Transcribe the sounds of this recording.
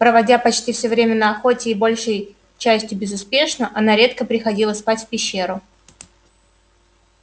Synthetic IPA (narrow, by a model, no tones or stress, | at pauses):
pɾəvɐdʲapɐt͡ɕtʲifsʲɵvɾʲemʲɪnəɐxo̞tʲɪːbo̞lʲʂəj | t͡ɕæsʲtʲjʊbʲɪzʊspʲe̞ʂnəʔɐnaɾʲe̞t̪kəpɾʲɪxɐdʲilˠəspatʲfʲpʲɪɕːe̞ɾʊ